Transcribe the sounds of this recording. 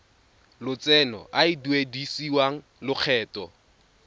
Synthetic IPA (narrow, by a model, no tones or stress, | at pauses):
lʊt͡sʼɛnɔ̰ʔaɪduedisiwaŋ̩ | lʊk͡xʰɛːtɔ